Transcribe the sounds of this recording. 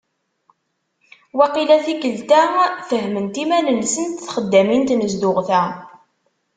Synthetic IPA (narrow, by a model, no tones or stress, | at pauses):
wæqilæθikəlt̪æθəɦmənt̪imænənsənt̪θχəd̪ːæmint̪nəzd̪ʊʁθæ